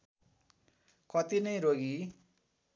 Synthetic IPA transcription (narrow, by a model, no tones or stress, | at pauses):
kʌt̪inʌjɾoɡi